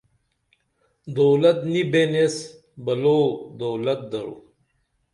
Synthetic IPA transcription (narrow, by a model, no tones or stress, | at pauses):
d̪oːlɐt̪nibenes | bɐlod̪owlɐt̪̚d̪ɐɾṵ